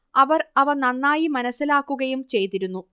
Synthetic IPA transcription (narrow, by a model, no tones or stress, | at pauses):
ɐʋɐrɐʋɐrnɐnːaːjimɐnɐsːilaːkːuɣɐjumt͡ɕe̞jt̪iɾunːu